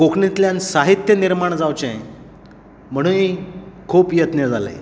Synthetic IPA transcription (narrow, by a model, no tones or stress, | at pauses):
kokɳit̪ljansaɦit̪jəniɾmaɳd͡zawt͡ɕɛ̃ | m̤əɽ̃uːnikʰuːpjət̪ned͡zʱala̰